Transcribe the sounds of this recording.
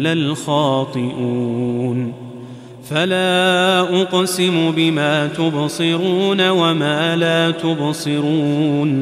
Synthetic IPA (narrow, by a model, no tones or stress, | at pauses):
lalxɑːt̪ˤɨʔun | falaːʔʊqsɪmʊbɪmaːt̪ʊbsˤɨɾuːnawamaːlaːt̪ʊbsˤɨɾuːn